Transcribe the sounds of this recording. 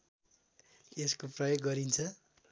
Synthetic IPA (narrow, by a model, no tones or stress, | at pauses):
eskoprʌjoɡːʌɾint͡sʰʌ